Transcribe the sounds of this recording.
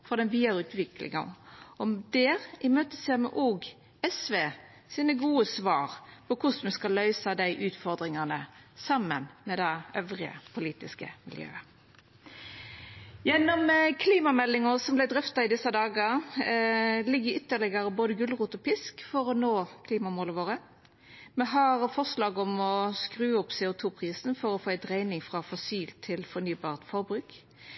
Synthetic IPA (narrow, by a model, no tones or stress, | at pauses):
fɔd̪ɛnʋiːɑɾʁʉːt̪ʰʋɪklɪ̰ŋɑ̰ɔmd̪ɛːʁʔɪmøːt̪ə̥sɛmɛ̰ʔoːɡ | ɛsʋeː | siːnəɡuːəsʋɑːɾpʰɔkʰʊsmɛskɑlːœʏsɑd̪æɪʔʉːt̪fɔʁd̪ɾɪŋɑnəsɑmːənmɛd̪æœʋɾɪə̰pʰʊliːt̪ɪskə̰mɪ̰ljø̰ːə | jɛnːɔmkʰliːmɑmɛlːɪŋəʁsɔmblɪd̪ʁʏft̪ɑɪd̪ɪsɑd̪ɑːɡə | lɪɡːəʏt̪ːəʁlɪɡɑɾəboːd̪əɡʉlʁuːt̪ɔpɪskfɔɾɔnoːkʰliːmɑmoːləʋoːʁə | mɛɦɑʁfɔʁslɑːɡɔmɔskʁʉːɔpsɛʊt̪ʰuːpʰʁiːsn̩fɔɾɔfoːɛɪt̪ʁæɪnɪŋfʁɑfɔsiːlt̪ʰːɪlfɔʁnyːbɑːʁt̪fɔʁbɾʉːk